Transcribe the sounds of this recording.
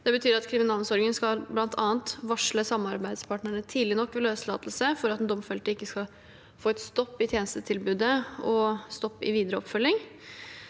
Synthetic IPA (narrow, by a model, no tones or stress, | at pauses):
d̪̥ɛbət̪ʰyːɾɑt̪kʰɾɪmɪnɑːlmsɔɾɡənskɑlblɑnt̪ʰɑ̰ːnt̪ʋɑʂɭəsɑmɑɾbæɪd̪spʰɑːʈɳəɳət̪ʰiːd̪lɪnɔkːʋɪløːslɑ̰ːt̪l̩səfɔɾɑt̪ɛnd̪ɔmfɛlt̪əɪkːəskɑ | foːɛt̪st̪ɔpːɪt̪ʰjeːnəst̪ət̪ʰɪlbʉːd̪əɔst̪ɔpːɪ̰ʋiːd̪əɾəɔ̰pfœlːɪŋ